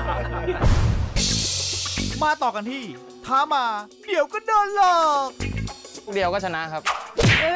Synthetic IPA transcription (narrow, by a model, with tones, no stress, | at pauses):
maː˧t̪ɔː˨˩ka˧nt̪ʰiː˥˩ | t̪ʰaː˨˦˥maː˧ | di˨˦əwkɔː˥˩dɤː˧nloː˧˩k̚ | di˨˦wkɔː˥˩t͡ɕʰa˧na˦˥kʰa˦˥p̚